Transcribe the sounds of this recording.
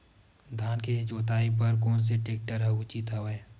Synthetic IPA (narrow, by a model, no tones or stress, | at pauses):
d̪ʱaːnked͡ʒoːt̪aːip̬əɾkoːns̬eʈeːk̚ʈəɾəut͡ʃit̪əʋɛ